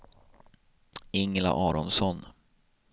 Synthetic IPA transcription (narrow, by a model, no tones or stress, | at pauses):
ɪŋla̰ʔɑːɾɔnsɔn